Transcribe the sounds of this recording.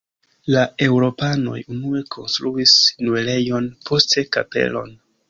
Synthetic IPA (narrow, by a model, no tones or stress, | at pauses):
lae̞wɾo̞pano̞̰junue̞kʰo̞̰nstɾuisnuele̞jo̞npʰo̞ste̞kape̞̰lo̞̰n